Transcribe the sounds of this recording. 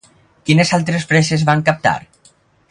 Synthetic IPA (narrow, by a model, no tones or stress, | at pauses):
kinesalˠt̪ɾespɾesezβaŋkap̚t̪a̰ɾ